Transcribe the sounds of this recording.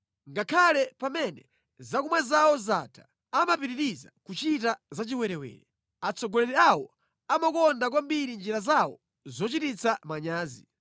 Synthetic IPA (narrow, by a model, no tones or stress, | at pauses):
ŋɡakʰalɛpamɛnɛ | zakumwɛzawɔzatʰḁ | amapiɾiɾizakut͡ʃitazat͡ʃiwɛɾɛwɛ̰ːɾɛ | at͡sɔɡɔlɛɾɛawɔ | amakɔndak̬wambiɾind͡ʒiɾazawɔ̰ | zɔt͡ʃitit͡sʰamaɲaːzi